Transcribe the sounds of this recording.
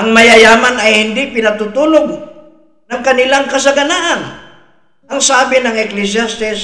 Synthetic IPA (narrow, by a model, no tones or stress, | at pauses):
ʔɐŋmɐjɐjaːmanɐjhɪnd̪ɪpɪnɐɡ̚t̪ut̪uːloɡ̚ | nɐŋkɐnɪlaŋkɐs̬ɐɡɐnaʔan | ɐŋsaːbɪnɐŋɛklɪs̬jast̪ɪs